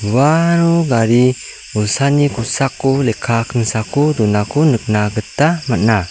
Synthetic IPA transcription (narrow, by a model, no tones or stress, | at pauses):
waɾuɡaɾi | usanikusakulekʰakənsakudunakunək̚naɡət̪amana